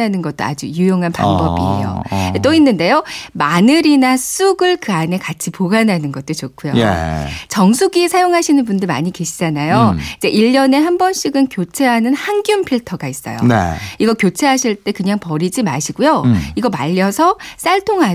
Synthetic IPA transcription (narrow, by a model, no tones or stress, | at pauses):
anɯnɡʌt̚t͈oa̰d͡ʑujujoŋɦanpa̰nbʌbḭɦḛjo̰t͈oinːɯnde̞jomanɯɾinas͈uɡɯɭkɯane̞kat͡ɕʰipoɡananɯnɡʌt̚t͈ot͡ɕok͈ʰujoḛt͡ɕʌŋsʰuɡisʰajoŋɦaɕʰinɯnbundɯɭma̰ɲike̞ɕʰid͡ʑanajoid͡ʑe̞ʔiʎːʌne̞ɦambʌnɕ͈ʰiɡɯnkjot͡ɕʰe̞ɦanɯnhaŋɡjumpʰiɭtʰʌɡais͈ʌ̰jo̰nḛiɡʌkjot͡ɕʰe̞ɦaɕʰiɭt͈e̞kɯɲaŋpʌɾid͡ʑimaɕʰiɡujoiɡʌmaʎːʌsʰʌs͈aɭtʰoŋɦa